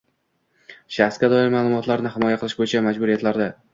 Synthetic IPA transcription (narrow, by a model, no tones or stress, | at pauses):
ʃaχsɡʲad̪ɒɪɾmaːlˠʊmɒt̪laɾnɪɦɪmɒjaqʰɨlˠɪʃbojɪt͡ʃʰamad͡ʒbʊɾjet̪ʰɪlaɾd̪ɪ